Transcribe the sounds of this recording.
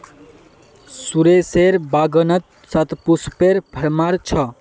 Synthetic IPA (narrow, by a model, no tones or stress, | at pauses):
suɾeseɾbaɡənət̪̚ | sɐt̪puspeɾbʱɐɾmaɾt͡ʃʰʌ